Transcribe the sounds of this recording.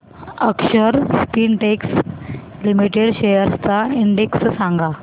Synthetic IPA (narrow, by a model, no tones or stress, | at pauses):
əkʃəɾspiːnʈekslimiʈeɽɕejəɾst̪aiɳɖekssãŋɡʱa